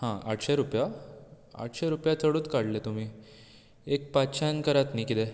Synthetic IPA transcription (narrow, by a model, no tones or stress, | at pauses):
hãaʈʰɕeɾupja | a̰ʈʰɕeɾupjat͡səɽuːt̪kaɽlet̪um̤iː | ek̚patɕʰankəɾat̪nikit̪ɛ